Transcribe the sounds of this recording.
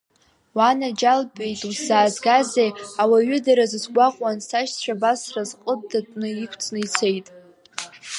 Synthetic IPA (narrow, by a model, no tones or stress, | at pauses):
wanad͡ʒalbʼejtʼuzaːzɡazejawaɥʏdaɾazɨzɡʷaqʼwansaʃt͡ɕʷᶣʰabasrazqʼəb̚datʼnɨikʷʰt͡sʰnɨit͡sʰe̞jtʼ